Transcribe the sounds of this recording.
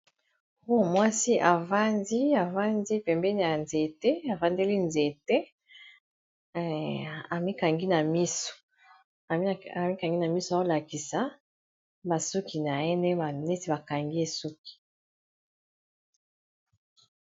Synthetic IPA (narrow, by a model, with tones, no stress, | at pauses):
o˦˨mwa˦si˦ʔa˨va˦ndi˦a˨va˦ndi˦pɛ˨mbɛ˦ni˨ja˨nze˨tɛ˦a˨va˦nde˦li˦nze˨tɛ˦ | a˨mi˦ka˨ŋɡi˦na˨mi˦so̥˨˦˨ | a˨mi˦ka˨ŋɡi˦na˨mi˦so˨a˨˦o˦la˨ki˨sa˨˦ | ba˨su˦ki˨na˨ɛ˦nɛ˦ba˨ne˦ti˨ba˨ka˨ŋɡi˦e˦su˦ki̥˨